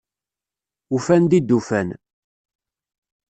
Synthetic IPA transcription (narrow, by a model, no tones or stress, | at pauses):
ufænd̪id̪ːufæn